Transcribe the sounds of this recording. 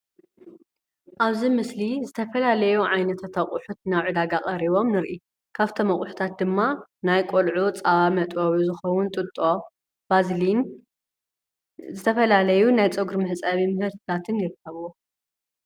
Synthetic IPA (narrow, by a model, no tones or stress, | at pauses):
ʔaβzimɨslizɨt̪ʰɐfɐlalɐjuʕajnɐt̪ʰat̪ʰaχʼʊħut̪naβʕud̪aɡaχʼɐɾiβo̞mnɨɾʔi | kʰaβt̪ʰomɐχʼʊħu̥t̪ʰat̪̚d̪ɨmːanajkʼolʕut͡sʼaβamɐt̪ʼoβuzɨxɐwʊnt̪ʼɨt̪ʼo̞ | b̥azlin | zɨt̪ʰɐfɐlalɐjunajt͡sʼɨɡuɾmɨħt͡sʼɐβimɨhɨɾt̪ʰɨt̪ʰat̪ʰɨnjɪɾɨkʰːɐβwo